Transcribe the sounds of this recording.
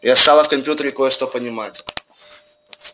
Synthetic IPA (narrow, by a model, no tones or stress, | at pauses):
jast̪alˠəfkɐmʲpʲjut̪əɾʲɪkojəʂt̪opənʲɪmatʲ